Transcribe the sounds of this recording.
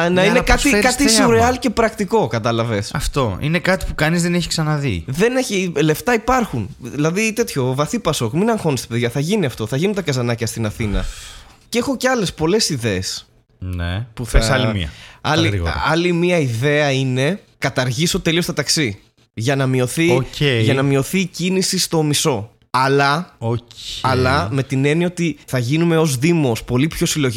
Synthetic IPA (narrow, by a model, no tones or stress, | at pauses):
nɐinekɐt̪ikɐt̪isuɾeɐlce̞pɾɐkt̪iko̞kɐt̪ɐlɐvesɐ̰ft̪o̞ḭnekɐt̪i̥pukɐnizðeneçi̥ksɐnɐðḭðe̞neçile̞ft̪ɐipɐɾxunðilɐðit̪e̞t̪ço̞vɐθipɐso̞kminɐŋxo̞nist̪i̥pe̞ðʝɐθɐʝiniɐft̪o̞θɐʝinunt̪ɐkɐzɐnɐcɐst̪inɐθinɐ̰cexo̞ceɐle̞spo̞le̞siðe̞ːs | nḛpuθsɐlimiɐ̰ɐliɾiɣ̰ɐɐlimiɐiðe̞ɐine̞kɐt̪ɐɾʝisot̪e̞liost̪ɐt̪ɐksi | ʝɐnɐmio̞θieʝɐnɐmio̞θicinisist̪o̞miso̞ | ɐlɐoɐlɐme̞t̪ine̞nio̞t̪iθɐʝinume̞o̞zðimo̞spo̞lipço̞silo̞ʝi